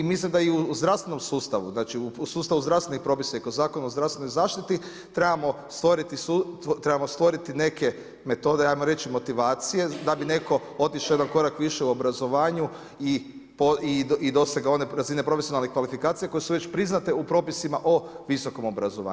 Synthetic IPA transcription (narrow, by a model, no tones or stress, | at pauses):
imislimd̪aiuzd̪ɾast̪ʋe̞no̞msuːst̪aʋuznaːt͡ʃiuusuːst̪aʋuzd̪ɾavst̪enixpɾo̞ːpisaikozaːko̞nuozd̪ɾafst̪ʋenojzaːʃt̪it̪i | t̪ɾebamo̞st̪ʋoɾit̪isut̪ɾebamo̞st̪ʋo̞ɾit̪ine̞ke̞ | me̞t̪o̞ːd̪eajmoɾe̞t͡ʃimo̞t̪iʋaːt̪sije̞d̪abine̞ko̞ | o̞t̪iʃoje̞d̪anko̞ɾakʋiʃeuobɾazo̞ʋaːɲu | i | poiid̪o̞seɡao̞ne̞ɾazinepɾo̞fesijonalnikʋalifikaːt̪sijako̞jesuʋe̞t͡ʃpɾiznat̪e̞upɾo̞ːpisimaʔo̞ʋiso̞ko̞mo̞bɾazoʋa̰ː